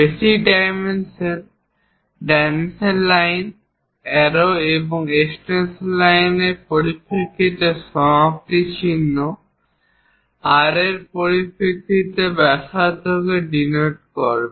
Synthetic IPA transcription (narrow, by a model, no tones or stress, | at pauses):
besiɖajmenseɾ | ɖɛnselːajn | ɛɾoeboŋesʈenslajneɾpoɾipʰekːiʈeʃɔk̚ʈit͡ɕʰinːo | aɾeɾpoɾipʰekːit̪ebɛʃad̪ʱoɡeɖinoʈ̚kɔɾbe